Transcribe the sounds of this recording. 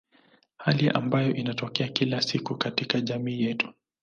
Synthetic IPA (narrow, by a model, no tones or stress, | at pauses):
haliʔa̰mbajɔʔinatɔkɛakilasikukatikaʄamiːjɛtu̥